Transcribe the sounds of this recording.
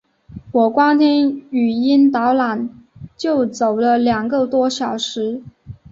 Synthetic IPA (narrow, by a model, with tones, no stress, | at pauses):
wɔ˨˩kwɑ˥ŋt̪ʰɛ˥ny˨˩i˥nt̪ɑ˧˥ʊla˨˩˦nt͡ɕjo˥˩ʊt͡so˨˩ʊlə˦ljɑ˨˩ŋɡə˧t̪wɔ˥ɕjɑ˨˩ʊʂɻ̩˧˥